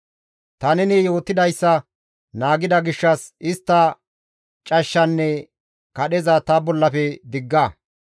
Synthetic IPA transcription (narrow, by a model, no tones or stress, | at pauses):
t̪ɐnɛnɛjo̞ːt̪ːɪd̪ɐjsːɐ | naːɡɪd̪ɐɡɪʃːɐsɪst̪ːɐ | t͡ʃʼɐʃːɐnːɛ | kɐɗɛzɐt̪ɐbɔlːɐpɛd̪ɪɡːɐ